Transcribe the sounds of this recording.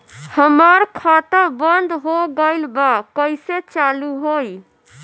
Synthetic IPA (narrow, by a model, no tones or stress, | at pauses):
həməɾkʰat̪əbənd̪ʱɦoɡəɪlbakəɪset͡ʃaluɦoj